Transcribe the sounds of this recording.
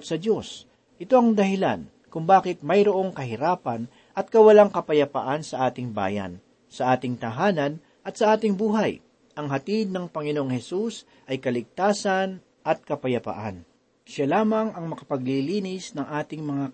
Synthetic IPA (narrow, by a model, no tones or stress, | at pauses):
t̪sɐd̪jo̞s | ʔɪt̪o̞ɐŋd̪ɐhɪla̰n | kʊŋbaːkɪt̪̚mɐjɾoʔo̞ŋkɐɦɪɾaːpɐn | ʔɐt̪̚kɐwɐlaŋkɐpɐjɐpa̰ʔansɐʔaːt̪ɪŋba̰ːjɐ̰n | sɐʔaːt̪ɪŋt̪ɐɦaːnɐn | ʔɐt̪sɐʔaːt̪ɪŋbuːɦɐj | ʔɐŋɦɐt̪id̪̚nɐŋpɐŋɪnoʔoŋhɛsus | ʔɐjkɐlɪɡ̚t̪aːsɐn | ʔɐt̪̚kɐpɐjɐpɐ̰ʔa̰n | ʃalaːmɐŋɐŋmɐkɐ̥pɐɡ̚liliːnɪsnɐŋʔaːt̪ɪŋmɐŋa